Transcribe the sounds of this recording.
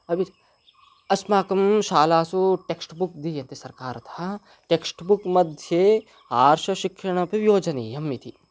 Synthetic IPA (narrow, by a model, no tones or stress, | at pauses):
ɐbi | ɐsmaːkɐmʃaːlaːsuʈeksʈbuk̚d̪ijɐnt̪isɐɾkaːɾɐt̪ʰɐa | ʈeːksʈbukmɐd̪ʱje | aːɾʃɐʃikʃɐɳɐpiʋjoːd͡ʒɐneːjɐmːit̪ʰi